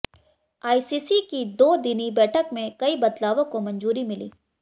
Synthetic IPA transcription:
aːisiːsikid̪oːd̪ɪnibɛːʈʰəkmẽkɐibɐd̪laːʋõkomɐ̃nd͡ʒuːɾimɪlḭː

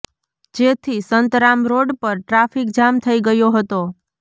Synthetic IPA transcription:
d͡ʒet̪ʰisənt̪ɾamɾoɖpəɾʈɾafikd͡ʒamt̪ʰəiɡəjoɦət̪o

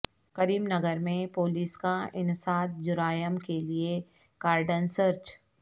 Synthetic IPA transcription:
kɐɾiːmnɐɡəɾmẽpoːliːskaɪnsaːt̪̚ʰd͡ʒʊɾaːjəmkelie | ɡ̥aːɾɖənsəɾt͡ʃ

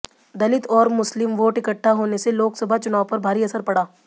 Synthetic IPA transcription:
d̪ɐlɪt̪ɔːɾmʊslɪmʋoːʈɪkəʈʰːaɦoːneseloːksɐbʱat͡ʃʊnaːwpɐɾbʱaːɾiɐsəɾpɐɽaː

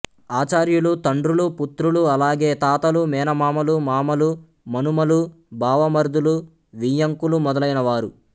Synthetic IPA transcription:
aːt͡ʃaːɾjulut̪ɐɳɖɾuluput̪ɾuluɐlaːɡe̞ːt̪aːt̪ɐlumɛːnɐmaːmɐlumaːmɐlu | mɐnumɐlu | bʱaːʋɐmɐɾd̪ulu | ʋijɐŋkulumɔd̪ɐlɐjnɐʋaːɾu

